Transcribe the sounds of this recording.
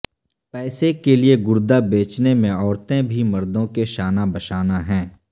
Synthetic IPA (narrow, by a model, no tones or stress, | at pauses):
pɛːsekelieɡʊɾd̪abeːt͡ʃnemẽɔːɾt̪ẽbʱimɐɾd̪õkeʃaːnabɐʃaːnaɦɛ̃ː